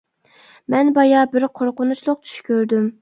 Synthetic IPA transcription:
mɛnbɑjɑbɪɾqʰoɾqʊnut͡ʃlˠʊq̚t͡ʃʰy̥ʃkʲøɾd̪ym

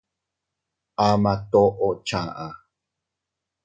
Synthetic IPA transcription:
amat̪oʔot͡ʃaʔa

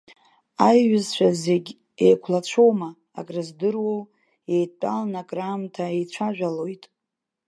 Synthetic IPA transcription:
ajɥʊzt͡ʃʷʰᶣaze̞ɡʲ | ejkʷʰlat͡ɕʷʰowma̰ː | kʼrɨzdɨrwow | ejtʼalnakʼramtʰaejt͡ɕʷʰaʒᶣʷalo̞jtʼ

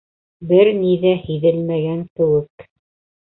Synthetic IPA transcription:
bɘɾniðæhiðɘlmæɡæŋkɘ̆wɘk

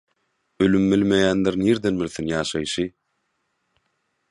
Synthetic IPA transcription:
ølymbilmejæːnd̪eɾniːɾd̪enbilʲθinjɑːʃɑjʃɯ

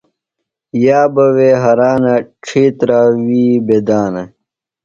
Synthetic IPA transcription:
jaːbɐweːɦɐɾaːnɐʈ͡ʂʰiːt̪ɾaːwiːbed̪aːnɐ

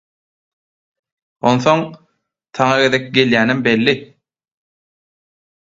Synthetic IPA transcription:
o̞nθo̞ŋ | t̪ʰɑŋɑɡe̞ðek̚ʲɡe̞ljæːnimbe̞lːi

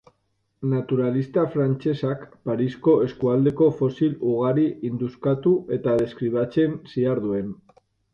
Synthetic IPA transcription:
nat̪uɾalist̪afɾant͡se̞sakpaɾisko̞e̞skuald̪e̞ko̞fo̞siluɣ̞aɾiind̪uskat̪ue̞t̪aðe̞skɾiβ̞at͡se̞nsiaɾð̞ue̞n

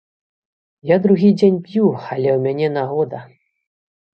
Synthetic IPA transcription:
jad̪ɾuɣʲid͡zʲenʲpjualʲɛwmʲanʲɛnaɣɔd̪ɐ

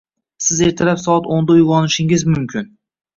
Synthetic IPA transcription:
sɪze̞ɾt̪ʰɪlapsɒat̪ond̪ajʊʁɒnɪʃɪŋɪzmʊmkʲʰɪn

